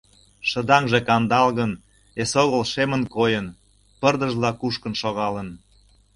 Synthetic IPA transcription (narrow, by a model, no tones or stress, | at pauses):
ʃə̆d̪ɑŋʒekɑnd̪ɑlɣən | esoɣəlʃemənkojən | pərd̪əʒlɑkuʃkənʃoɣɑlən